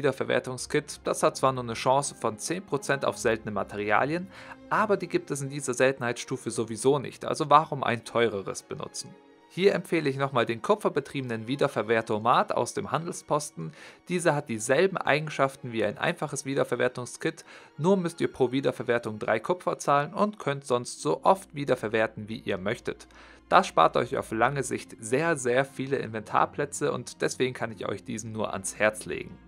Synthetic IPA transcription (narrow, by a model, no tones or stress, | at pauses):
viːdɐfɛɐvɛ̰ːɐtʊŋskɪtd̥ashat̚t͡sv̥aːɐnuːɐnəʃɑ̃ːsə̥fɔnt͡seːnpʁ̥ot͡sɛnta̰ʊfz̥ɛltənəma̰tʰeʁia̰ːljənʔaːbɐdiːɡiːp̚tɛs̬ɪndiːzɐzɛltn̩haɪt͡ssʃtuːfəzovizoːnɪ̰çtʔa̰lzovaːʁʊmʔa̰ɪntʰɔʏʁ̞əʁə̰sb̥ənʊ̰t͡sn̩ | hiːɐʔɛmfeːləɪçnɔχmaːldeːnkʰʊpp͡fɐbətʁ̥iːbənənviːdɐfɛɐveːɐtʰomaːta̰ʊsd̥ḛːmhandl̩spʰɔstn̩d̥iːzəɦat̚d̥iːzɛlbm̩ʔa̰ɪɡŋ̩ʃaftn̩viːaɪnʔa̰ɪnfaχəsv̥iːdɐfɛɐvḛːɐtʊŋskɪtnuːɐmʏstiːɐpʁ̥oːviːdɐfɛɐveːɐtʊŋdʁa̰ɪkʰʊpfɐt͡saːlənʊntkʰœntz̥ɔnstz̥oːʔɔftv̥iːdɐfɛɐveːɐtn̩viːʔḭːɐmœçtət | d̥asʃpa̰ːɐtɔ̰ʏça̰ʊflaŋəzɪçtz̥eːɐzeːɐfiːləʔɪ̰nvɛntʰa̰ːɐpʰl̥ɛt͡səʔʊ̰ntd̥ɛsv̥eːɡŋ̩kʰanɪçɔ̰ʏçd̥iːzn̩nuːɐʔa̰nshɛɐt͡slḛːɡŋ̩